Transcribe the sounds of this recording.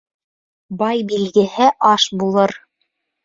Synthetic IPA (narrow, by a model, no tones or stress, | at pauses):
bɑjbilɡɘ̆hɘʔɑʃbulˠɤɾ